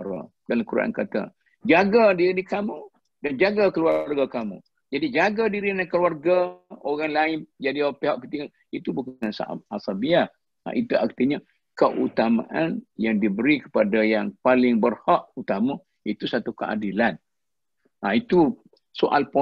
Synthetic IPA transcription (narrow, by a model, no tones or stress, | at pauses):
ɾa̰ | dalamkuɾa̰ʔa̰nkat̪a̰ | d͡ʒaɡadidikamũ | dand͡ʒaɡakəluarɡakamṵ̃ | d͡ʒadid͡ʒaɡadiɾiadaŋkəluarɡaoɣaŋlaɪnd͡ʒadipeɦaʔkət̪iŋə | it̪ubukŋansa̰ʔa̰p̚asabiah | a̰ʔit̪uak̚t̪iɲa | kəʔut̪amã̰ʔanjaŋdibəɾikə̥padajaŋpalɪŋbərhaʔut̪ama | it̪usat̪ukəʔa̰dilan | ait̪u | soʔa̰lpɔ